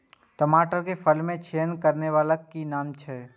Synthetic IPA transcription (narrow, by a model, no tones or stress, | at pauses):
t̪əmaːʈəɾkepʰəlmẽt͡ʃʰeːnkəɾneʋaːləkːinaːmt͡ʃʰɛː